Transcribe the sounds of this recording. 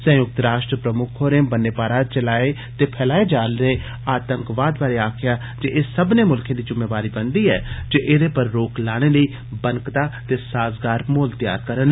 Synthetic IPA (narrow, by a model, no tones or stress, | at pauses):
sə̃jʊk̚t̪ɾaːʃʈɾəpɾəmʊkʰɦoːɾẽːbənːeːpaːɾaːt͡ʃəlaːe | t̪eːpʰɛːlaːed͡ʒaːlɾəeː | aːt̪əŋkʋaːd̪baːɾeaːkʰɪjaː | d͡ʒeʔesəbnemʊlkʰẽd̪iːd͡ʒʊmːeːʋaːɾibənd̪iːɦɛ̰ːd͡ʒeʔɪd̪epəɾːoːklaːɽ̃eləiː | bənkt̪aːt̪eːsaːzɡaːɾmoːlt̪ja̰ːɾkəɾən